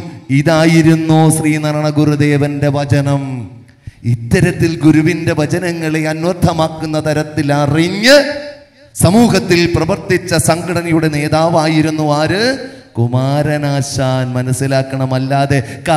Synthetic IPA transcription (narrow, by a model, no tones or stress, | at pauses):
iðaːjiɾunːoːɕriːnɐɾɐɳɐɡurud̪e̞ːʋɐnde̞ʋɐt͡ɕɐnɐm | it̪ːɐɾɐt̪ːilɡuɾuʋinde̞ʋɐt͡ɕɐnɐŋːɐɭeɐnʋɐrd̪ʱːɐmaːkːunːɐt̪ɐɾɐt̪ːilariɲːɐ | sɐmuːɦɐt̪ːilprɐʋɐrt̪it͡ɕːɐsɐŋɡɐɽɐnɐjuɽe̞ne̞ːðaːʋaːjiɾunːuʋaːɾɨkumaːɾɐnaːɕaːnmɐnɐsːilaːkːɐɳɐmɐlːaːðe̞ka